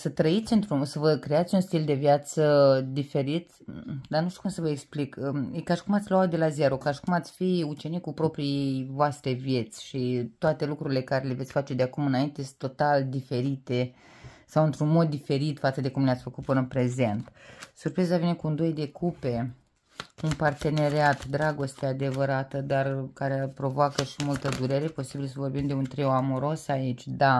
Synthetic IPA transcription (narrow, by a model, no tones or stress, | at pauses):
sət̪ɾəit̪sʲɨnt̪ɾusəvəkɾe̞at̪sʲunst̪ild̪e̞vjat̪səd̪ife̞ɾit̪ | d̪anuʃt̪ukumsəvəeksplikəekaʃi̥kumat̪sʲloat̪̚d̪e̞laze̞ɾokaʃi̥kumat̪sʲfiut͡ʃe̞nikupɾo̞pɾijevoast̪ɾe̞vje̞t̪sʲʃit̪oat̪e̞lukɾuɾile̞kaɾe̞le̞vesʲfat͡ʃe̞d̪eakumɨnaint̪est̪ːot̪ald̪ife̞ɾit̪e̞ | sawɨnt̪ɾunmo̞d̪ːife̞ɾit̪fat̪səd̪e̞kumnleat̪sʲfəkut̪̚pɨnənpɾe̞ze̞nt̪surpɾizavine̞kuɨnd̪ojd̪e̞kupe̞ | unpart̪e̞ne̞ɾeat̪d̪ɾaɡo̞st̪ead̪e̞vəɾat̪əd̪arkaɾepɾo̞voakəʃimult̪əd̪uɾe̞ɾe̞po̞sibilsəvo̞rbimd̪e̞unt̪ɾeoamoɾo̞sait͡ʃʲd̪a